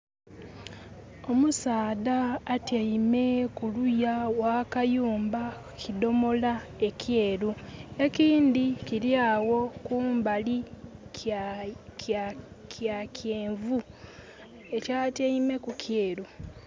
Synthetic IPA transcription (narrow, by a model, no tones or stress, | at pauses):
o̞musaːðaːteime̞kulujawakajuːmba | kido̞mo̞la | e̞kʰje̞ːɾue̞kiːndikiɾjaːwo̞kuːmbali | kjakjeːɱvu | e̞caːteime̞kukʰjeːɾu